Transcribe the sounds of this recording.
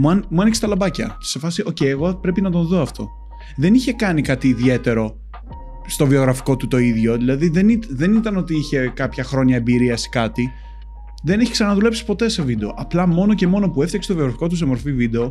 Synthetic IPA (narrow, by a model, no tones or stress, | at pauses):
muɐnmuɐnikse̥t̪ɐlɐbɐcɐ̰se̞fɐsiʔo̞ceieɣo̞pɾe̞pinɐt̪o̞nðo̞ɐft̪ʰo̞ | ðe̞niçe̞kɐnikɐt̪iːðie̞t̪e̞ɾo̞ | st̪o̞vio̞ɣɾɐfi̥ko̞t̪ut̪o̞iðʝo̞ðilɐðiðe̞nit̪ðe̞nit̪ɐnot̪iiçe̞kɐpçɐxɾo̞ɲɐebiɾiɐskɐt̪i | ðe̞neçi̥ksɐnɐɐðule̞psi̥po̞t̪e̞se̞vid̪e̞o̞ʔɐplɐmo̞no̞ce̞mo̞no̞pue̞fθɐkse̥t̪ovio̞ɣɾɐfi̥ko̞t̪use̞mo̞ɾfivid̪e̞o̞